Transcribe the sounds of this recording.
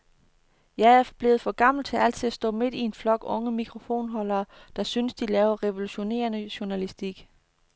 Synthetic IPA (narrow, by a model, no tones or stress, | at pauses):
jɑ̈ɪæɐfɒb̥le̝ːð̩ˠfɒ̽ɡ̥ɑ̈m̰l̩t͡sʰe̝æl̰t͡sʰiðˠæsd̥ɔ̰̽ːme̝d̥ie̝nflɒ̽ɡ̥ɔ̽ŋəmiɡ̥ʰʁo̝fo̝̰ːnɦɒ̽lɐːd̥ɑ̈synsd̥ilɛːʊɐʁɛʋo̝luɕo̝ne̝̰ːɐnəɕuɐnælisd̥iɡ̥